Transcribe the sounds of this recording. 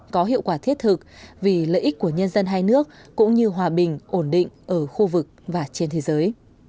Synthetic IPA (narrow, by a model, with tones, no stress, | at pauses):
kɔ˨˦ɦḭ˧˨əwkwaː˧˩t̪ʰi˦˥ət̚t̪ʰɨ˨˩k̚vi˨˩lə̰ː˧˨ʔi˦˥ku˧˩əɲə˧nzə˧nɦaː˧jnɨ˦˥ək̚kːʊ̰˧˥ŋ͡mɲɨ˧ɦwaː˨˩ɓï˨˩ŋ̟ʔo˧˩nɗḭ˧˨ŋ̟ʔəː˧˩xu˧vɨ˨˩k̚vaː˨˩t͡ɕe˧nt̪ʰe˨˦zəː˨˦j